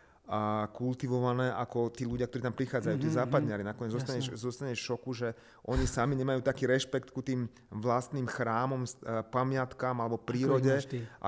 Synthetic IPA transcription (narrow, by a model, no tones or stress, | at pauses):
kult̪iʋɔʋanɛːʔakɔt̪iːluɟɪakt̪ɔɾit̪ampɾixaːd͡zajuːt̪iːzaːpad̪ɲɪaɾinakɔɲɛd͡zzɔst̪aɲɛʃzɔst̪aɲɛʃʃɔkuʒɛ | ʔɔɲisamiɲɛmajuːt̪akiːɾɛʃpɛkt̪kut̪iːm | ʋlast̪niːmxɾaːmɔmspamɪat̪kamalɛbɔpɾiːɾɔɟɛʔa̰